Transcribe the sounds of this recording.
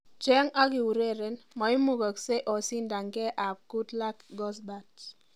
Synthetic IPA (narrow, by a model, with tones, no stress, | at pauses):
t͡ʃɛ˦ŋa˦ki˨u˨ɾe˦˨ɾe˨nmɔ˨i˦mu˨kə˨kse˦ʔɔ˨si˦nda˨ŋɡɛ˦ʔa˨p̚ku˦tla˦kɡɔ˦s̬ba˨t